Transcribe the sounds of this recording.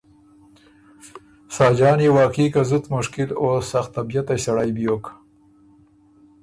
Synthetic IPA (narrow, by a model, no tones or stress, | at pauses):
sɑːd͡ʒɑːnewɑːkiːkazʊt̪mʊʃkɪloːsːaxt̪abijat̪asaɽajbjoːk